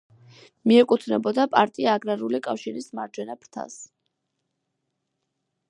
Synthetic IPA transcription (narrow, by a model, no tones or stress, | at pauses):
miɛkʼut̪ʰnɛbɔd̪apʼa̰ɾt̪ʼiaːɡɾaɾulikʼafʃiɾismaɾd͡ʒwɛnapʰɾt̪ʰa̰s